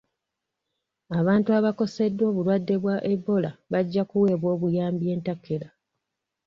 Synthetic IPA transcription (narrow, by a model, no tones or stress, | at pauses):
aβaːntuaβako̞se̞dːwo̞ːβulwadːe̞βwaʔe̞bːo̞laβaɟːakuwe̞ːβwo̞ːβujaːmbje̞ːntakːe̞la